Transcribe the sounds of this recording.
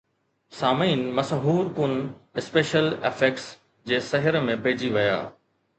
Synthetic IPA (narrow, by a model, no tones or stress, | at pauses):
saːmiːnmɐsɦuːɾkʊnɪspeːʃəlɪfeːkʈs | d͡ʑeːsɐɦɪɾmẽpeːd͡ʑiʋɐja̰ː